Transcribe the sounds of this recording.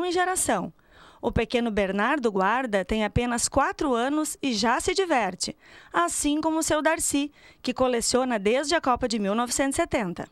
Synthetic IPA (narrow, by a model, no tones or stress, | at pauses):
w̃ẽʒeɾasɐ̃w̃ | ʊpekẽnʊbeɾnaɾd̪ʊɡwaɾd̪ɐt̪ẽj̃apẽnɐskwat̪ɾʊɐ̃nʊsɪʒasɪd͡ʒivɛɾt͡ʃɪasĩkõmʊʊsewd̪aɾsikɪkolesiõnɐd̪ezd͡ʒɪɐkɔpɐd͡ʒɪmiwnɔvɪsẽt̪ʊset̪ẽnt̪ɐ̰